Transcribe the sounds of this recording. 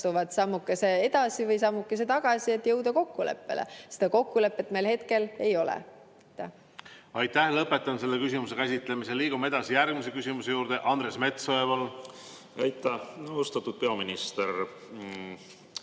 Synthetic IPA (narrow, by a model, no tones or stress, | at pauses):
t̪uvɑt̪sɑmːukːˑesee̞d̪ɑsivɤjsɑmːukːˑes̬et̪ɑɡ̥ɑsiet̪ːjɤwd̪ɑko̞kːule̞̰pːe̞̰lḛsed̪ɑko̞kːule̞pːˑe̞t̪ːˑme̞jlhe̞t̪ke̞le̞jo̞lɛ̰ | ɑt̪ːæh | ɑjt̪ːˑæhlɤpːˑe̞t̪ːˑɑnse̞lːekysimus̬e̞kæsʲit̪ˑlemiseliːɡ̥ume̞d̪̥ɑsijærɡmise̞kysʲimuse̞juːɾd̪e̞ʔɑnd̪ɾe̞sme̞t̪soevɑl | æjt̪ːˑæost̪ɑt̪ːˑud̪̥̚peɑminist̪er